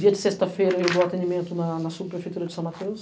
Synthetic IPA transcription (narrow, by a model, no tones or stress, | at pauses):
d̪iɐd͡ʒ̪isest̪ɐfejɾɐewboat̪ẽnimẽnt̪unɐnɐsubipɾefejt̪uɾɐd͡ʒ̪isɐ̃w̃mat̪eus